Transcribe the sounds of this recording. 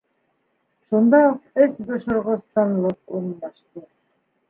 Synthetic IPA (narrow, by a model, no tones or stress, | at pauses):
ʃund̪ɑuqɘsbŏʃŏɾʁŏst̪ɑnlˠɤqṵɾ̆nb̪ɑʃt̪ɤ